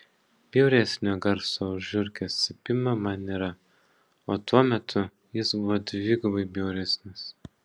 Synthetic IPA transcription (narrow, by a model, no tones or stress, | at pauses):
b̥ʲɛʊɾʲɛsʲnʲoːɡɐɾsoːʊʒʲʊɾʲkʲɛsʲsʲɪpʲɪmɐmɐnʲiːɾɐ | oːt̪uɔmʲɛt̪ʰʊ | jɪsbʊʋoːd̪ʲʋʲɪɡʊbɐɪbʲɛʊɾʲɛsʲnʲɪs